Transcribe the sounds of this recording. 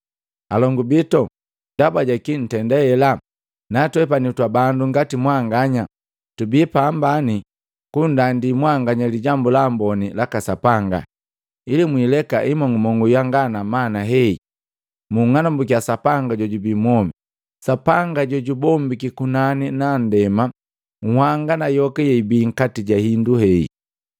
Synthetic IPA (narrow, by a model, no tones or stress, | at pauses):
alɔŋɡubitɔ | dabaɟakin̩tɛndɛɛla | natuwɛp̬anitwabanduŋɡatimwaŋɡaɲa | tubipambani | kundandimwaŋɡaɲaliɟambulambɔnilakasapaŋɡa̰ | ilimwiːlɛkaʔimɔŋumɔŋujaŋɡanamanaɦɛi | muŋanambuk̬iasapaŋɡaɟɔɟubimwɔmi | sapaŋɡaɟɔɟubɔmbikikunaninandɛma | ŋ̩hwaŋɡanajɔkɛjɛibiːŋ̩katiɟahinduhɛḭ